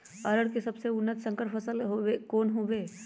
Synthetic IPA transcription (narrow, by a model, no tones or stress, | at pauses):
ɐɾəɽkesɐbseʊnːət̪sə̃ŋkəɾpʰəsəlɦoekoːnɦoʋeː